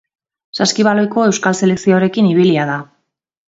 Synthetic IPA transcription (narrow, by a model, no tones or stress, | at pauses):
saskiβ̞alo̞jko̞e̞wskalse̞le̞ksioɾe̞kiniβ̞iliað̞a